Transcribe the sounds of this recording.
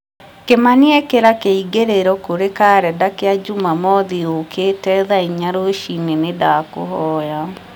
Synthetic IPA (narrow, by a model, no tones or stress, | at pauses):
kemaniɛkeɾakeiɡeɾeɾɔkoɾekaːɾɛdakead͡ʒumamɔðiokʰetɛðaiɲaɾoʃinenedaːko̰ɦɔːja